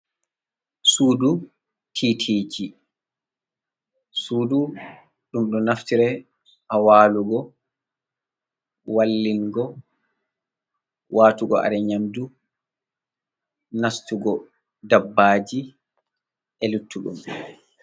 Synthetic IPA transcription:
suːdu | tʰitʰiːt͡ʃi | suːdu | ɗumɗɔnaftiɾɛ | hawaːluɡɔ | walːiŋɡɔ | wʔaːtuɡɔ̰ʔa̰ɾɛɲamdu | nastuɡɔ | dabːaːd͡ʒi | ɛlutʰːuɗṵm

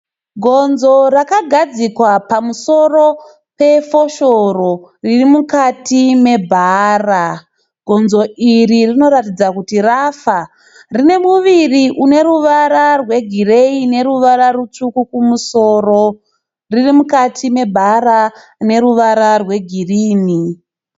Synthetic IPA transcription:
ɡʱo̞nzo̞rakaɡʱad͡zikwapamuso̞ro̞ | pe̞fo̞ʃororirimukatime̞bʱara | ɡʱo̞nzo̞iririno̞ɾatid͡zakutirafa | rine̞muʋiriʔune̞ruʋaɾarwe̞ɡʱire̞ine̞ɾuʋaɾaɾut͡ʂukukumuso̞ːro | ririmukatʰime̞bʱaɾa | ne̞ɾuʋaɾarwe̞ɡʱiriːni

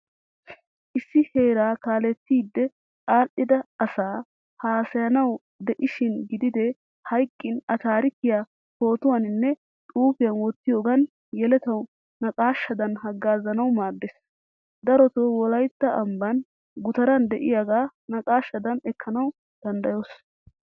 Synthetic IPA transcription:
ʔɪsːɪheːɾaːkaːlɛt̪ːiːd̪ːɛ | kʼaːʔːɪd̪ɐɐsaː | haːsɐjɐnɐw | d̪ɛʔɪʃɪnɡɪd̪ɪd̪ɛ | hɐjkʼːɪnɐt̪aːɾɪkːɪjaː | ho̞ːt̪ʊwanɪnːɛ | t̪ʼuːfɪjɐnwɔt̪ːɪjo̞ːɡɐn | jɛlɛt̪ɐw | nɐkʼaːʃːɐd̪ɐnhɐɡːaːzɐnɐwmaːd̪ːes | d̪ɐɾɔt̪oːwɔlɐjt̪ːɐɐmbɐn | ɡʊt̪ɐɾɐnd̪ɛʔɪ̰jaɡaːnɐkʼaːʃːɐd̪ɐnɛkʰːɐnɐw | d̪̥ɐnd̪ɐjos

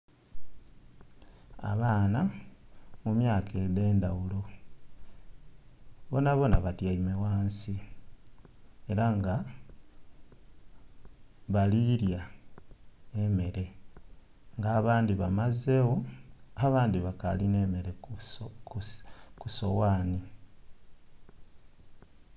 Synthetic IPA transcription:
a̰βaːna | mumjaːkʰede̞ːndawulo̞ | βo̞naβo̞naβatjaimewaːnsi | e̞ɾaŋɡa | βaliɾja | eme̞ɾe̞ | ŋɡaːβaːndiβamaze̞woaβaːndiβakaline̞me̞ɾekkuso̞waːni

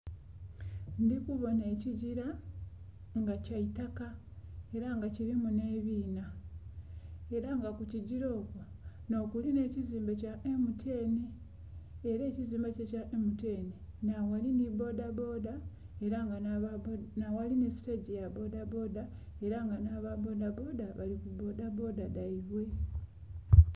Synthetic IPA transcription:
ndikuβo̞ne̞ːciɟiɾa | ŋɡacaitakae̞ɾaŋɡaciɾimune̞ːβiːna | e̞ɾaŋɡakuciɟiɾo̞ːkwo | no̞ːkuline̞ːciziːmbacaʔemutʰe̞ːniː | ɾe̞ːciziːmbacecaʔemute̞ːni | nawalinibo̞dabo̞ːda | e̞ɾaŋɡa | nawalinisi̥teɟejabo̞dabo̞ːda | e̞ɾaŋɡanaβabo̞ːdabo̞ːdaβalikubo̞dabo̞ːdadaiβwe̞

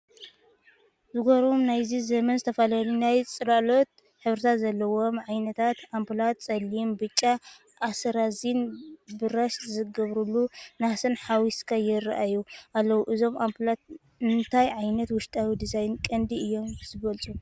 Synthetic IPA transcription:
zɨɡoɾomnajzizɐmɐnzɨt̪ʰɐfɐlalinajt͡sʼɨlalot̪̚ | ħɨβɾɨt̪ʰazɐlːɐwo̞mʕajnɐt̪ʰat̪ampʰɨlat̪t͡sʼɐlimbɨt͡ʃʼːa | ʔːsɾazinbɨɾɐʃzɨɡɐβɾulːunasɨnħawiskʰajɪɾaʔajuʔalːɐwuʔɨzo̞mampʰlat̪̚ | ɨnt̪ʰajʕajnɐt̪wʊʃt̪ʼawid̪ɨsajɪnkʼɐnd̪iɨjːo̞mzɨβɐlt͡sʼu

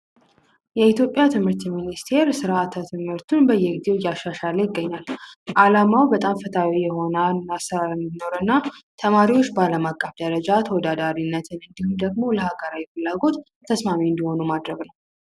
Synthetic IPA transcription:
jɛit̪jo̞pʼjat̪ʰɨmhɨɾt̪minist̪ʰe̞ɾsɨɾat̪ʰat̪ʰɨmhɨɾt̪ʰunbəjɛɡize̞wjaʃaʃalejɪɡːəɲːalʔalamawbət̪ʼamfət̪ʰawijɛɦo̞naːasɨɾalɨnd̪inːo̞ɾɨnːat̪ʰəmaɾiwo̞t͡ʃːbəaləmakʼːəfd̪əɾəd͡ʒat̪ʰəwɔd̪ad̪aɾinːət̪ʰɨnɨnd̪ihumd̪əɡmo̞ləhaɡəɾawifɨlːaɡo̞t̪ʰːəsmamiɨnd̪iho̞numad̪ɾəɡnəw

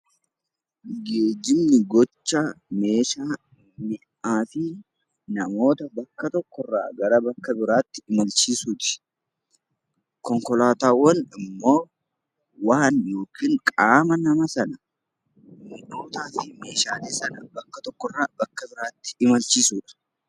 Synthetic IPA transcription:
ɡeːd͡ʒɪmnɪɡɔt͡ʃːaːme̞ːʃaː | mɪ | ʔaːfɪ | nɐmo̞ːt̪ɐbɐkːɐt̪ɔkːɔrːa̰ːɡɐɾɐbɐkːɐbɪɾaːt̪ːɪ̥ɪmɐlt͡ʃiːsuːt̪ɪ̥ | kɔŋkɔlaːt̪aːwɐnɪmːo̞ː | waːnjo̞ːkiːŋkʼaːmɐnɐmɐsɐnɐ | mɪʔoːt̪aːfɪme̞ːʃaːleːsɐnɐbɐkːɐt̪ɔkːɔrːaːbɐkːɐbɪɾaːt̪ːɪ̥ɪmɐlt͡ʃiːsuːᶑɐ̥

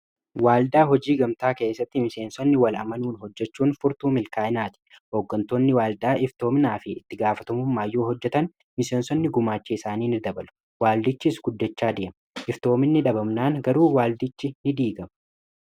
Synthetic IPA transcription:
waːld̪aːɦɔd͡ʒiːɡɐmt̪aːke̞ːsːɐt̪ːɪmɪse̞ːnsɔnːɪwɐlʔɐ̰mɐnuːnɦɔd͡ʒːɛt͡ʃːuːnfʊɾt̪uːmɪlkaːɪnaːt̪ɪ̥ | hoːɡːɐnt̪oːnːɪwaːld̪aːʔɪft̪o̞ːmɪnaːfɪɪt̪ːɪɡaːfɐt̪ɐmʊmːaːjːoːɦɔd͡ʒːɛt̪ɐn | mɪse̞ːnsɔnːɪɡʊmaːt͡ʃːɛɪsaːniːnɪd̪ɐbɐlʊ̥ | waːld̪ɪt͡ʃːɪsɡʊd̪ːɛt͡ʃːaːd̪ɪʔɐmɐʔɪft̪o̞ːmɪnːɪᶑɐbɐmnaːŋɡɐɾuːwaːld̪ɪt͡ʃːɪnɪd̪iːɡɐmɐ

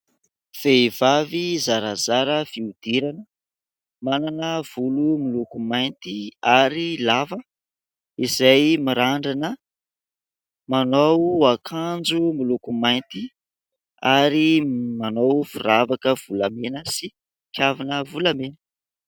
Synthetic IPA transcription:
feivavizaɾazaɾəfiud̪̥iɾanə | mananəv̥ulumilukumajnt̪iaɾilavə | izajmiɾaɳɖ͡ʐanə | manowakʰand͡zumilukumajnt̪i | aɾimanowfuravakəv̥ulamenəsi | kʲjavinəvulamen

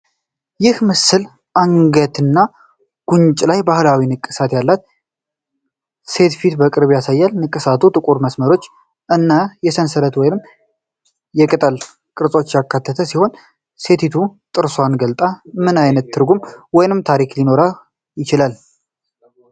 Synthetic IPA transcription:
jɪhmɨsːɨl | ʔaŋɡət̪ʰɨnːa | ɡ̥unt͡ʃʼlajbahlawinɨkʼːɨsat̪jalːat̪ | se̞t̪fit̪bəkʼɨɾβjasajːalnɨkʼːɨsat̪ʰut̪ʼɨkʼuɾməsməɾo̞t͡ʃː | ʔɨnːajɛsənsəɾət̪wɔjnɨm | jɛkʼɨt̪ʼəl | kʼɨɾsʼo̞t͡ʃːjakːat̪ʰːət̪ʰəsiho̞n | se̞t̪ʰit̪ʰut̪ʼɨɾsoanɡəlt̪ʼamɨnajnət̪ːʰɨɾɡumwɔjnɨmt̪ʰaɾiklino̞ɾa | jɪt͡ʃɪlal

